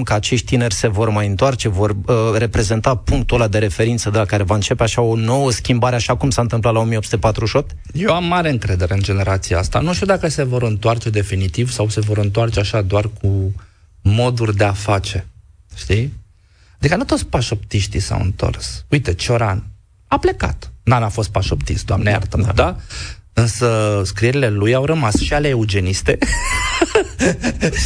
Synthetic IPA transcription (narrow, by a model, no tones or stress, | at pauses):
kəat͡ʃe̞ʃt̪̚ʲt̪ine̞rʲse̞vo̞rmajɨnt̪oart͡ʃe̞vo̞rre̞pɾe̞ze̞nt̪apuŋk̚t̪olad̪e̞ɾe̞fe̞ɾint̪səd̪elakaɾe̞vaɨnt͡ʃe̞peaʃao̞no̞wəskʲimbaɾe̞aʃakumsaɨnt̪ɨmplat̪lao̞mijeopsut̪e̞pat̪ɾuʃo̞p̚t̪ʲ | jewamːaɾe̞ɨŋkɾe̞d̪e̞ɾe̞ɨnd͡ʒe̞ne̞ɾat̪sijaast̪a̰nuʃt̪iud̪akəse̞vo̞ɾɨnt̪oart͡ʃe̞d̪e̞finit̪ivsawse̞vo̞ɾɨnt̪oart͡ʃeaʃad̪oarkʰu | mo̞d̪urʲd̪e̞afat͡ʃe̞ | ʃt̪i | ad̪ikənut̪o̞t̪sʲpaʃo̞pt̪iʃt̪ḭsa̰wɨ̰nt̪o̞̰rsujt̪et͡ʃeo̞ɾan | aple̞ka̰t̪nanafo̞st̪̚paʃo̞pt̪ist̪d̪oamnea̰rt̪əmd̪aɨnsəskɾieɾile̞lujawɾəmasʃialeːod͡ʒe̞nist̪e